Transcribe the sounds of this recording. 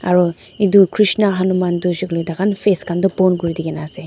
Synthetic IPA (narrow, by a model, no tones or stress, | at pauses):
a̰ɾɔ | idukʰɾisnaɦanumandusiklɔdakʰanpʰeskandɯpɔnɡuɾidiɡenase